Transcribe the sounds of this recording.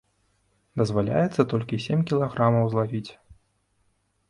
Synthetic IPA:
d̪ɐzvalʲa̰jɛt̪sːɐt̪ɔlʲkʲisʲemʲkʲilˠaɣɾamɐwzlˠavʲit͡sʲ

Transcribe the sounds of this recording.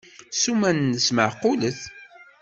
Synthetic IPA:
sumænːəsməʕqːʊləθ

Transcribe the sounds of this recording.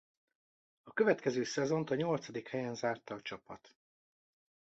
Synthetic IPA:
ɒkøvɛt̪kɛzøːsɛzo̞nt̪ɒɲo̞lt̪sɒd̪ikhɛjɛnzaːrt̪ɒːt͡ʃɒpɒt̪

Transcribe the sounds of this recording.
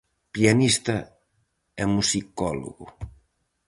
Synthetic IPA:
pianist̪ɐ | ɛmusikɔlṵɣu

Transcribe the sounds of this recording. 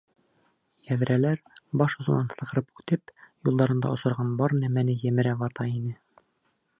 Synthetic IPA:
jæð̆ɾʔælæɾbɒʃŏzɤ̆nɑnt̪ɤ̆sqɤ̆ɾɤpʉt̪ɘpjulˠd̪ɑɾɤ̆nd̪ɑ̰ʔŏsɤ̆ɾʁɑnbɒɾnæmænɘjæmɘ̆ɾævɑt̪ɑinɘ

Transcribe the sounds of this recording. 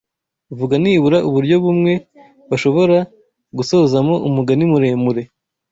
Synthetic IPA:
vuɡaniβuɾaʔuβuɾɟo̞βumŋe̞ | βaʃo̞βo̞ɾa | ɡuso̞zamo̞ʔumuɡanimuɾe̞ːmuɾe̞

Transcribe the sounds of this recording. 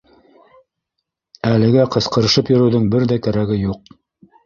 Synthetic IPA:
ælɘ̆ɡæqɤ̆sqɤ̆ɾɤ̆ʃɤpjɵ̆ɾɵ̆wðɤŋbɘɾðækæɾæɡɘjuq̚

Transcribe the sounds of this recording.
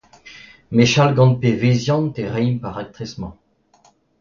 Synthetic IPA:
meʃalɡɑ̃npevezjɑ̃nt̪eʁɛjmpaʁak̚t̪χɛsmɑ̃

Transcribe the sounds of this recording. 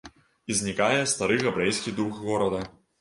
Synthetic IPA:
izʲnʲikajɛst̪aɾɨɣɐbɾɛjsʲkʲid̪uxɣɔɾɐd̪ɐ

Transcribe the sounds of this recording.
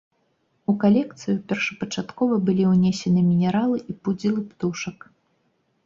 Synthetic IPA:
ukalʲɛkt̪sɨjupʲɛrʂɐ̥pɐt͡ʂat̪kɔvɐbɨlʲiwnʲɛsʲɛnɨmʲinʲɛɾalˠɨʔipud͡zʲilˠɨpt̪uʂɐk

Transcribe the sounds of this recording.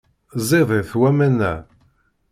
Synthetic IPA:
zˤeðˤeθwæmænːæ̰

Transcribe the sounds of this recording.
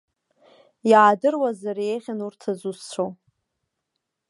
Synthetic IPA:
jaːdɨrwazaɾejʁʲanurtʰazust͡ɕʷʰow

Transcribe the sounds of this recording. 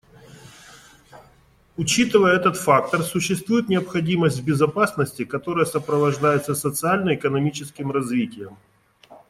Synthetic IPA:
ʊt͡ɕit̪ɨvəjəɛt̪ət̪fak̚t̪ərsʊɕːɪst̪vujɪt̪nʲɪɐpxɐdʲiməsʲtʲvbʲɪzɐpasnəsʲtʲɪkɐt̪o̞ɾəjəsəpɾəvɐʐd̪ajɪt̪səsət̪sɨalʲnəɪkənɐmʲit͡ɕɪskʲɪmrɐzvʲitʲɪjəm

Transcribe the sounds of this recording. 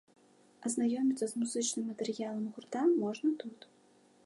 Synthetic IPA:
ɐznajɔmʲit̪sːɐzmuzɨt͡ʂnɨmːɐt̪ɛɾɨjalˠɐmɣurt̪amɔʐnɐt̪ut̪

